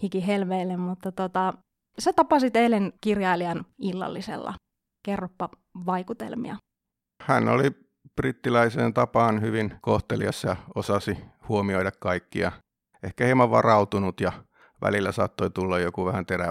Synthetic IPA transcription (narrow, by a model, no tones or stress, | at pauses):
hikiɦelʋeilːemmut̪ːɑt̪ot̪ɑ | set̪ɑpɑsit̪eilenkirjɑiliɑnilːɑ̰lːisḛlːɑ̰ | kerːopːɑ | ʋɑikut̪ḛlmḭɑ̰ | hænːo̰li | b̥rit̪ːilæiseːnt̪ɑpɑːnhyʋinkoht̪elḭɑsːɑjɑosɑsihuomioiɾɑkkɑikːḭɑ̰ | ehkæhimɑʋʋɑ̰rɑut̪unut̪jɑ | ʋʔæ̰lilːæsɑ̰ːt̪ːoit̪ulːɑjjokuʋæhænt̪eɾæ